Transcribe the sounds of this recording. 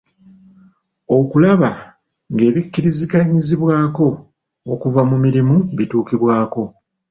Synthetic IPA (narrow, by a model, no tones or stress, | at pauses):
o̞kulaβa | ŋɡe̞ːβikːiɾizikaɲiziβwaːko̞ː | kuvamumiɾimuβituːkiβwaːko̞